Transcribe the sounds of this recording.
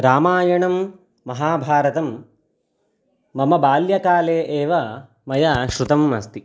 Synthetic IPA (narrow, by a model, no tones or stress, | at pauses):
ɾaːmaːjɐɳɐmː | ɐɦaːbʱaːɾɐt̪ɐm | ɐmɐbaːljɐkaːleːʔeːʋɐ | mɐjaːʃɾut̪ɐmːɐst̪i